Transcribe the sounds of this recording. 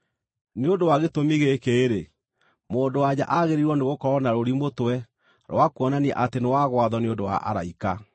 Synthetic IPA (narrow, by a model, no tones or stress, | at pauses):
neondowaɣetomiɣekeːɾe | moːndowad͡ʑa̰ʔaɣeɾiɾwɔneɣokɔɾɔnaɾoɾimotwɛ | ɾwakuɔnaniɛ̰ʔatenewaɣwaðɔneondowa̰ʔa̰ɾa̰ika